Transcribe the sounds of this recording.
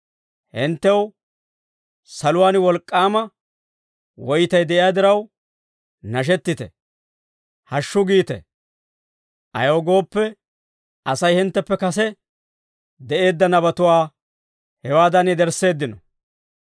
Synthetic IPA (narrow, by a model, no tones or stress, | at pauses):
hɪnt̪ːɛw | sɐlʊwaːnwɔlkʼːaːmɐ | wɔjt̪ɐjd̪ɛʔɪjaːd̪ɪɾɐw | nɐʃ̬ɛt̪ːɪt̪ɛ̰ | hɐʃːʊɡiːt̪ɛ̰ | ʔɐ̰joːɡo̞ːpːɛ | ɐsɐjhɪnt̪ːɛpːɛkɐsɛ | d̪ɛʔe̞ːd̪ːɐnɐbɐt̪ʊwaː | hɛwaːd̪ɐnɪd̪ɛɾsːe̞ːd̪ːɪnɔ